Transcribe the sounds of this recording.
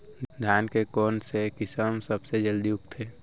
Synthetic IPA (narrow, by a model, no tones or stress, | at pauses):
d̪ʱjaːnkekɔːnsekɪsəmsəbsed͡ʒəld̪iʊkt̪ʰeː